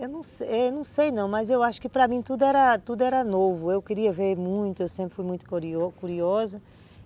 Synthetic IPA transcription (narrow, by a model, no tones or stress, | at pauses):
ewnɐ̃w̃seɛnɐ̃w̃sejnɐ̃w̃mɐzewaʃʊ̥kɪpɾɐmĩt̪ud̪ʊɛɾɐt̪ud̪ʊɛɾɐnovʊewkɪɾiɐveɾmũj̃t̪ʊewsẽpɾɪfujmũj̃t̪ʊ̥kɾiɔkuɾiɔzɐ